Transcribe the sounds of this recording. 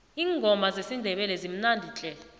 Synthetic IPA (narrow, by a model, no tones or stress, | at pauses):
iːŋɡʱɔmazesindʱɛɓɛlɛzim̩nandʱit͡ɬʼɛːla